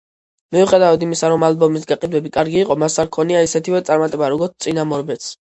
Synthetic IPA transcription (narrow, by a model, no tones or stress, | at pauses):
miuχɛd̪avad̪imisaɾɔmalbɔmisɡaqʼid̪wɛbikʼaɾɡiːqʼɔmasaɾkʰɔniaisɛt̪ʰivɛt̪sʼaɾmat̪ʼɛbaɾɔɡɔɾt̪ʰt̪ʼinamɔɾbɛt̪s